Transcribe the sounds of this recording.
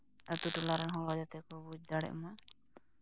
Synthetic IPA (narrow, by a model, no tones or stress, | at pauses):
at̪uʈulaɾanɦɔ̃lad͡ʒat̪ɛkɔbud͡ʒd̪aɽɛ̰ʔma